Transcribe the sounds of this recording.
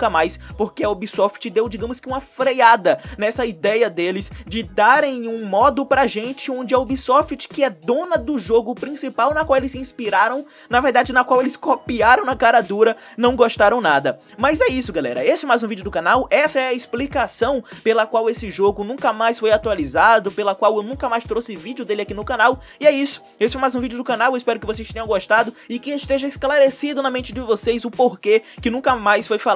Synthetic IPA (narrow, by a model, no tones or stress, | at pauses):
kɐmajspoɾkeɐobisɔft͡ʃɪd̪ewd͡ʒiɡɐ̃mʊskɪũmɐfɾejad̪ɐnɛsɐid̪ɛjɐd̪elɪzd͡ʒɪd̪aɾẽj̃ũmɔd̪ʊpɾɐʒẽnt͡ʃɪõnd͡ʒɪɐobisɔft͡ʃɪ̥kɪɛd̪õnɐd̪ʊʒoɡʊpɾĩsipawnɐkwawelɪsĩspiɾaɾɐ̃w̃ | nɐveɾd̪ad͡ʒɪnɐkwawelɪskopiaɾɐ̃w̃nɐkaɾɐd̪uɾɐnɐ̃w̃ɡoʃt̪aɾɐ̃w̃nad̪ɐ | mɐzɛisʊɡalɛ̰ɾɐ̰esɪɛmajzũvid͡ʒʊd̪ʊkãnawɛsɐɛɐɪsplikasɐ̃w̃pelɐkwawesɪʒoɡʊnũkɐmajsfojat̪ualizad̪ʊpelɐkwawewnũkɐmajst̪ɾosɪvid͡ʒjʊd̪elɪakinʊkãnaw | ɪɛisʊ̥ | esɪɛjmajzũvid͡ʒʊd̪ʊkãnawewɪspɛɾʊkɪvos̬ejst̪ẽɲɐ̃w̃ɡoʃt̪ad̪ʊ | ɪkɪst̪eʒɐɪsklaɾesid̪ʊnɐmẽnt͡ʃɪd͡ʒɪvosejzʊpoɾkekɪnũkɐmajsfojfa